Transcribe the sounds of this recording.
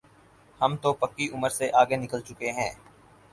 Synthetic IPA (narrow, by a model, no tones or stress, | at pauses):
həmt̪opɐkːiʔʊməɾseʔaːɡenɪkəlt͡ʃʊkeɦɛ̃ː